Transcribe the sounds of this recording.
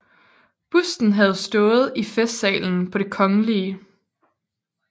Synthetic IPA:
b̥usd̥n̩ɦæð̞̩ˠsd̥ɔ̽ːð̩ˠifesd̥sɛ̰ːln̩pʰɒ̽ɾ̥e̝kʰɒ̽ŋəliə

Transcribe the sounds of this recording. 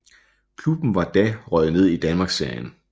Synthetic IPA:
kʰlub̥n̩ʋɑ̈d̥æʁɒð̞̩ˠne̝ð̞̰ˠid̥ænmɑ̈ːɡ̥seɐ̰jən

